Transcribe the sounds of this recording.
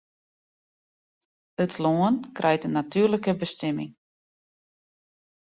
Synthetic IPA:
ətʰloːənkrʔɛjtənːatyːrləkəbəstɛmɪ̰ŋ

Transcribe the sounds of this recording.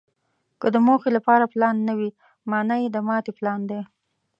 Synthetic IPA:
kəd̪əmoxelapɑɾaplɑnːawi | mɑnajed̪əmɑt̪eplɑnd̪e

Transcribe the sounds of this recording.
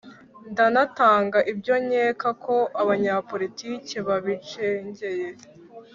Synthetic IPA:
ndanataːŋɡaʔibɟo̞ɲeːkakʰo̞ʔaβaɲapo̞ɾitiːceβaβit͡ʃeɲɟe̞je

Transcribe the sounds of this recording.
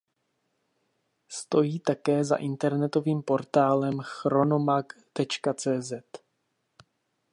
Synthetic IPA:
st̪o̞jiːt̪akɛːza̰ʔɪnt̪ɛɾnɛt̪o̞viːmpo̞ɾt̪aːlɛmxɾo̞nomak | t̪ɛt͡ʃkat͡sɛːzɛt̪

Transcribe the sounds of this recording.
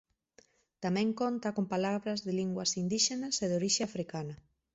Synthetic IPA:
t̪amɛ̃ŋkont̪akompalaβɾazðɪliŋɡwɐsind̪iʃenaseðoɾiʃeafɾikanɐ

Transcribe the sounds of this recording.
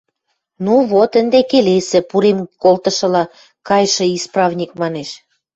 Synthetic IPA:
nuβot̪ə̆nd̪ekelesĕpuɾemkolt̪ə̆ʃɤ̆lɑ | kɑjʃɤ̆isprɑvnʲik̚mɑneʃ

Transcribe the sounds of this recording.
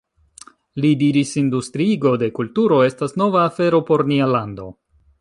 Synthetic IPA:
lidiɾisindustɾiɡo̞de̞kultuɾo̞e̞stasno̞vaːfe̞ɾo̞po̞ɾnialando̞

